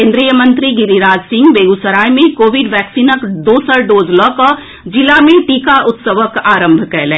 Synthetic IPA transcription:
kẽːnd̪ɾijəmə̃nt̪ɾiɡɪɾiɾaːd͡ʒsɪ̃ŋɡbeːɡusəɾaːjmẽkoːʋiɖʋɛːksiːnəkɖ̪oːsəɾɖoːzlɔːkɔː | d͡ʒɪlamẽʈiːkaʔʊt̪səʋəkaːɾə̃mbʱkɛlẽː

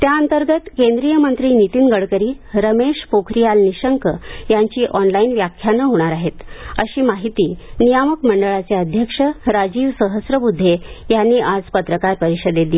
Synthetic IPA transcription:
t̪jaənt̪əɾɡət̪kend̪ɾijəmənt̪ɾiːnit̪inɡəɭkəɾiː | ɾəmeʂpokʰɾijalniɕəŋkəjaɲt͡ɕiːʔɔnlainʋjakʰjanəɦoɽ̃aɾaɦet̪əɕiːmaɦit̪iːnijaməkməɳɖəɭat͡seəd̪ʱjəkʂəɾad͡ʑiːʋsəɦəsɾəbud̪ʱːejanːiːʔad͡zpət̪ɾəkaɾpəɾiɕəd̪ed̪i

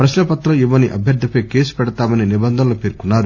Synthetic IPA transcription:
pɾɐʃlɐpɐt̪ːɾɐiʋːɐniʔɐ̰bʱjɐɾd̪ʱːipɐjke̞ːsu̥pɛɽɐt̪aːmɐninibɐnd̪ʱɐnɐlopeːɾkunːaːɾu

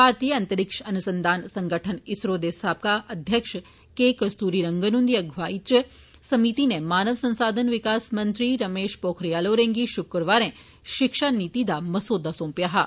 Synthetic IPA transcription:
paːɾt̪ijəɐ̃nt̪əɾɪkʃɐnusə̃nd̪ʱaːnsɐ̃ŋɡəʈʰənɪsɾoːd̪esaːp̚kaʔɐd̪ʱjəkʂ | kekɐst̪uːɾiɾɐ̃ŋɡənund̪ijɐɡʱʋaːiə | sɐmit̪inemaːnəʋsɐ̃nsaːd̪ʱənʋɪkaːsmɐ̃nt̪ɾiɾɐmeːʃpoːkʰɾijaːloɾẽːŋɡiʃʊkɾʋaːɾẽ | ʃɪkʃanit̪id̪amɐsoːd̪ʱasõːmpjaɦa

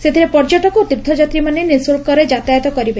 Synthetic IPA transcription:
sed̪ʱiɾepɔɾd͡ʒɔʈɔkut̪iɾd̪ʰʱɔd͡ʒat̪ɾimanenisolkɔɾed͡ʒat̪ajɔt̪ɔkɔɾibe

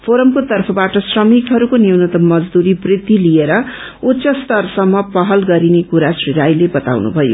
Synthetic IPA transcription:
pʰoɾʌmkot̪ʌrpʰʌbaʈʌsrʌmikɦʌɾukonjwnʌt̪ʌmːʌd͡zd̪uɾibrit̪ːilieɾʌ | utːsʌst̪ʌrsʌmːʌpʌɦʌlɡʌɾinekuɾasriɾajlebʌt̪a̰wnṵbʱʌjo̰

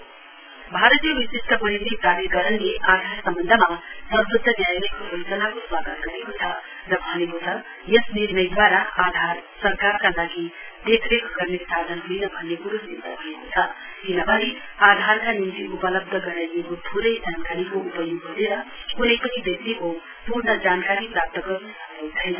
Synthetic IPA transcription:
bʱaɾət̪ijəʋisisʈ̪ʰəpɐɾit̪it̪aɾeɡʌɾənleʔaːd̪ʱaɾsɐmbʌnd̪ʱəmasʌɾbəd̪ʱənjaːjikobojsənakoswaːɡət̪ɡʌɾekot͡sʰʌ | ɾʌbʱʌnekot͡sʰʌ | jʌsniɾnɐjd̪ʋaːɾaad̪ʱaɾsɐɾkaɾkalaːɡi | d̪ekʰɾekʰɡʌrnesad̪ʱʌnɦuinʌbʱʌnːeɡuɾusint̪ʌbʱʌekot͡sʰʌ | kinʌbʌni | ad̪ʱaɾkanimt̪iupʌlʌb̚d̪ʱʌɡʌɾajekot̪ʰuɾʌjd͡zankaɾikoupʌjoɡɦuneɾʌunajpʌnibjʌk̚t̪iko | puɾnʌd͡zaːnkaɾipɾap̚t̪ʌɡʌɾ | t͡sʰʌjn

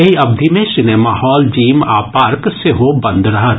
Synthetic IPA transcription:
ɐiɐbd̪ʱimẽʃɪnemaːhɔːld͡ʒiːmaːpaːɾkseɦobɐ̃nd̪ɾɐɦət̪

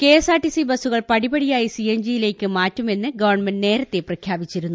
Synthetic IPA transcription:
ke̞ːsaːʈːisibɐsuɣɐɭpɐɽibɐɽijaːjisiemd͡ʑijile̞ːkːɨmaːtːume̞nːɨɡɐʋɐrɳmenɖne̞ːɾɐt̪ːe̞prɐkʰjaːbit͡ɕːiɾunːu

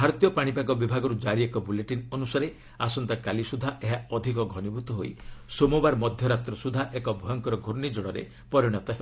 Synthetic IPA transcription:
bʱaɾɔt̪ijɔpaɽ̃ipakɔbibʱaɡɔɾud͡ʒaɾiekɔbuleʈinɔnusaɾe | asɔnt̪akalisud̪ʱaʔeɦaɔd̪ʱikɔɡʱɔnibʱut̪ɔɦojsomubaɾmɔd̪ʱjɔɾat̪ɾɔsud̪ʱaʔekɔbʱɔjɔŋkɔɾɔɡʱoɾnid͡ʒɔɽɔɾḛ | pɔɾiɽ̃ɔt̪ɔɦeb

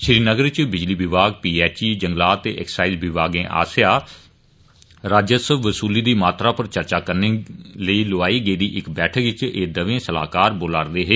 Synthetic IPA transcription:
ʃɾiːnəɡəɾt͡ʃbɪd͡ʒliːbɪbaːɡpiːɛːt͡ʃiːd͡ʒəŋɡlaːt̪ḛːʔɛksaːɪzbɪbaːɡẽːʔa̰ːsjaː | ɾaːd͡ʒjəsəbːəsuːliːd̪iːmaːt̪ɾaːpəɾt͡ʃəɾt͡ʃaːkəɾneːləiːlʊaːiːɡəiːd̪iːʔɪkbɛːʈʰəkʋɪt͡ʃeːd̪əʋẽːsəla̰ːkaːɾboːlaːɾd̪eːɦeː

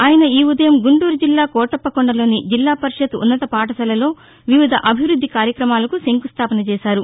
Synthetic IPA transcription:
aːjɐnɐiːud̪ɐjɐmɡuɳʈuːɾud͡ʒilːaːkɔːʈɐpːɐkɔɳɖɐlo̞ːnid͡ʒilːaːpɐɾiʃɐd̪ṵnːɐt̪ɐpaːʈɐsɐlɐlo̞ː | ʋiʋid̪ʱɐʔɐbʱiʋɾud̪ʱːikaːɾjɐkɾɐmaːlɐkuseŋkust̪ʰaːpɐnɐt͡ʃɛːsaːɾu

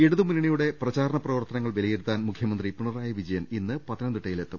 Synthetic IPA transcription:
eɽuðɨmunːiɳɐjuɽe̞prɐt͡ɕaːɾɐɳɐprɐʋɐrt̪ɐnɐŋːɐɭʋelɐjeɽut̪ːaːnmukʰjɐmɐnd̪ripuɳɐraːjɐʋid͡ʑɐjɐninːɨpɐt̪ːɐnɐnd̪uʈːɐjile̞t̪ːum

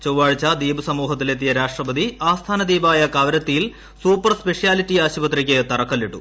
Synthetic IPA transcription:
t͡ɕowʋaːɻt͡ɕːad̪iːbɨsɐmuːɦɐt̪ːilet̪ːijɐɾaːʂʈrɐpɐd̪iaːst̪ʰaːnɐd̪iːbaːjɐkɐʋɐɾɐt̪ːijil | suːpːɐrspe̞ʂijaːlitːiaːɕibɐt̪rɐkʲːet̪ɐrɐkːɐlːiʈːṵ

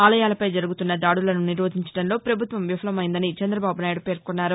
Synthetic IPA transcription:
aːlɐjaːlɐpɐjd͡ʒɐɾuɡut̪unːɐd̪aːɽulɐnuniɾʋoːd̪ʱiɲt͡ʃɐ̥ɽɐnlo̞ːpɾɐbʱut̪ʋɐmʋifʰɐlɐmɐjind̪ɐnit͡ʃɛnd̪ɾɐbaːbunaːjiɽupe̞ːɾkɔnːaːɾu

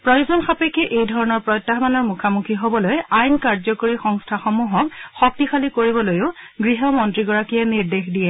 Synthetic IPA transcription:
pɹɔjozɔnxapekɛʔejdʱɔɹɔnɔɹpɹɔjtːaɦmanɔɹmukʰamukʰiɦobɔlojajnkaɹzɔkoɹixɔŋstʰaxɔmuɦɔkxɔk̚tixalikoɹibɔlojʊɡɹiɦɔmɔntɹiɡɔɹakijaniɹdexdijɛ

